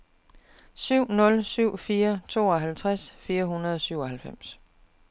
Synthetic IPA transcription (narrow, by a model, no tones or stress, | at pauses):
syʊ̰nɔ̽lsyʊ̰fiːɐt͡sʰo̝̰ːɒ̽ɦælt͡sʰʁasfiːɐɦunɐð̩ˠɒ̽syʊɒ̽ɦælfem̰s